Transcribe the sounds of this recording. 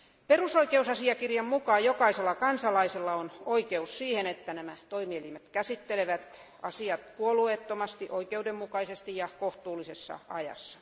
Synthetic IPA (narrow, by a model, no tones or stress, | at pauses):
perusoikeusɑsiɑkirjɑmmukɑːjokɑiselːɑkɑnsɑlɑiselːɑonoikeussiːhenet̪ːænæmæt̪oimielimet̪kæsit̪ːeleʋæt̪ | ɑsiɑt̪puolueːt̪ːomɑst̪iʔoikeudemmukɑisest̪ijɑkoht̪uːlːisesːɑ̰ɑ̰jɑ̰sːɑ̥